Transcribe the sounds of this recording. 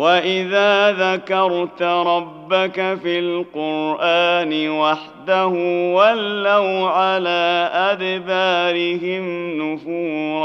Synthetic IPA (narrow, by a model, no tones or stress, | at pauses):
waʔɪðaːðakɑɾˤt̪ɾˤɑbːakafilqʊɾʔaːnɪwaħd̪ahʊwalːawʕalaːʔad̪baːɾɪɦɪmnʊfuːɾ